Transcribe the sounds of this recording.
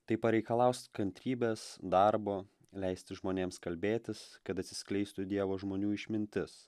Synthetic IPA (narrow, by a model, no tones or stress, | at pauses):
t̪ɐɪpɐɾʲɛɪkɐlˠɐʊsʲt̪ʲkɐnʲt̪ʲɾʲiːbʲeːsd̪ɑɾboː | lʲɛɪsʲt̪ʲɪʒmoːnʲeːmskɐlʲbʲeːt̪ʲɪskɐt̪ɐt̪ʲsʲɪ̥sʲklʲɛɪst̪ʊd̪ʲiɛʋoːʒmoːnʲuːɪʃʲmʲɪnʲt̪ʲɪs